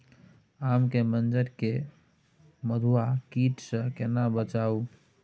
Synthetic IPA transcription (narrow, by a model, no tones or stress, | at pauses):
amkemənd͡ʒəɾke | məd̪ʱuakiʈsə̃kenabət͡ʃau